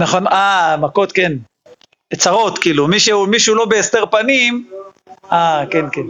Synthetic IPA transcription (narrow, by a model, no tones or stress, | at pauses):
naχo̞namako̞t̪ke̞n | et͡saʁo̞t̪kiːlumiʃeumiʃulo̞beest̪eʁpanim | akenken